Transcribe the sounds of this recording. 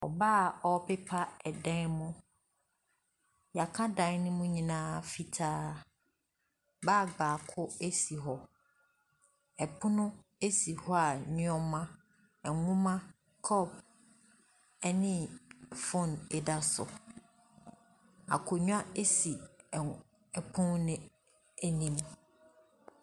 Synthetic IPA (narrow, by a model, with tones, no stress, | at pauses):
ɔ̰˨baː˦˨ɔ˦pe˦pʰa˦ɛ˨dɛ̃˦nmʊ̃˦ | ja˨kʰã˦dã˨˦nʊ̃˦mʊ̃˦ɲĩ˨nãː˦fi˨tʰaː˦ | baː˦˨ɡ͡baː˨kʰʊ˦e˦si˨ɦɔ˨ | ɛ˨pʰʊ˦nʊ̃˦ | e˦si˨hɔ˦a˨ɲʊ̃˦ɔ˦mã˦ | ɛ˨ŋʊ̃˦mã˦ | kʰɔ˦˨b̚ | ɛ˦nɪ̃˦fɔ˦nɛ˨da˦sʊ̰˨ | a̰˨kʰʊ˨ɲʊ̃˦a˦e˦si˨ | ɛ˨pʰʊ̃˦nnɪ̃˦ | e˦nĩ˦m